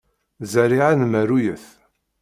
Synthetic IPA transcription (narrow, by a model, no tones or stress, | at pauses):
zæɾiʕanmæɾujəθ